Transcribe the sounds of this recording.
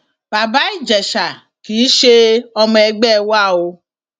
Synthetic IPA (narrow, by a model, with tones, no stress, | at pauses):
ba˨ba˦i˦d͡ʒɛ˨ʃa˨ | ki˨˦ʃe˦ɔ˧mɛ˨˦ɡ͡bɛ˦˨wa˦˨o˧